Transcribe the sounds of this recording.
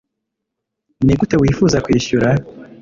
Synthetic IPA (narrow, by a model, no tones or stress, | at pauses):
niɡutewiːfuːzakwiːʃuɾa